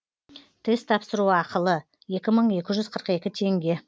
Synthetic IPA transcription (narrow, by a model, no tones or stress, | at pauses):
t̪ʰest̪ʰɑpsəɾuɑqəlˠə | je̞kʲɪməɴe̞kʲɪʒʏzqʰəɾəqe̞kʲɪt̪ʰe̞ŋɡʲe̞